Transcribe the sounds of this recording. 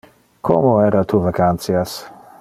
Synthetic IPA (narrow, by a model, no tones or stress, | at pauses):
kʰo̰moɛɾat̪uvakant̪sjas